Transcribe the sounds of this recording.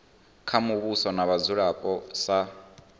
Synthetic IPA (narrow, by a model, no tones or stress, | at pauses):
kʰamuβusɔnaβazuɺapʼɔsa